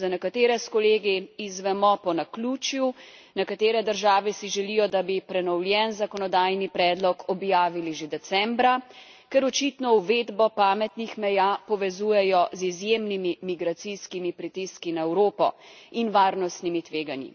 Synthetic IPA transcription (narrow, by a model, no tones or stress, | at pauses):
zanɛkat̪eːɾɛskɔleːɡiizʋɛmɔpɔnakluːt͡ʃju | nɛkat̪eːɾɛd̪əɾʒaːʋɛsiʒɛlijɔd̪abipɾɛnɔwljɛnzakɔnɔd̪aːjnipɾɛːd̪lɔkʰɔbjaːʋiliʒed̪ɛsɛmbɾa | kɛɾɔt͡ʃit̪nɔuʋeːd̪bɔpaːmɛt̪nixmɛjaːpɔʋɛzuːjɛjɔzizjemnimimiɡɾat̪siskimipɾit̪iskinaɛwɾoːpɔ̰inʋaːɾnɔst̪nimit̪ʋeːɡanjḭ